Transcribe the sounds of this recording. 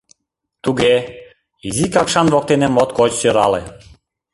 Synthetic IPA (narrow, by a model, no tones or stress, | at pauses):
t̪uɣe | izikɑkʃɑnvok̚t̪enemot̪kot͡ɕsøɾɑlḛ